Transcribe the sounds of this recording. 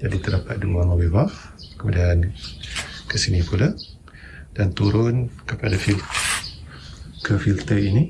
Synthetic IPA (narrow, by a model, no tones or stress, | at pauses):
d͡ʒadit̪ərdapat̪̚diuwaŋawebaf | kəmudian | kəsinĩpula | d̥ant̪uɾʊnkəpadafil | kəfilt̪əini